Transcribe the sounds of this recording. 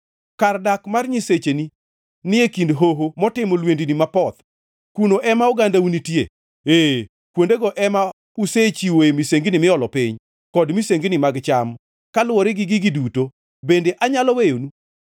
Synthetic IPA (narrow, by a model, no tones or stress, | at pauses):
kardakmarɲiset͡ʃeni | nɪekindɦoɦomɔtɪmolwendinimapɔt̪ | kunoʔɛmaoɡandaunitjḛ | e | kwondeɡɔʔɛma | uset͡ʃiwoemiseŋɡinimɪɔlɔpɪɲ | kɔdmiseŋɡnimaɡt͡ʃam | kalwɔɾɪɡɪɡɪɡɪduto | bendeʔaɲalɔwejonu